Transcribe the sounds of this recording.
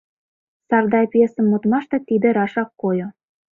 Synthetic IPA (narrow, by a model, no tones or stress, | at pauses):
sɑrd̪ɑjpesə̆mːot̪mɑʃt̪ɤ̆t̪id̪ĕɾɑʃɑkːojŏ